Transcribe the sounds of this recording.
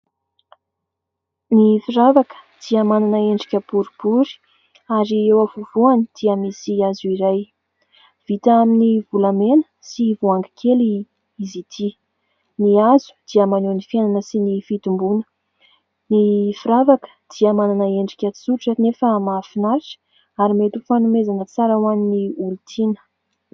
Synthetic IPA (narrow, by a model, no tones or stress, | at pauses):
nifiɾavakə̥d̪̥iəmananəeɳɖ͡ʐikʲəb̥uɾib̥uɾi̥ | aɾiewavuvuanid̪̥iəmisiazuiɾaj | v̥it̪aaminivulamenə̥ | sivuaŋɡəkʰeli | izit̪ʰi | niazu̥d̪̥iəmanenifiananəsinifit̪umbunə̥ | nifiɾavakə̥d̪̥iəmananəeɳɖ͡ʐikʲat̪i̥suɾiʈ͡ʂənefəmaːfinaɾiʈ͡ʂə̥ | aɾimet̪ufanumezanət͡saɾawaniniult̪ʰinə̥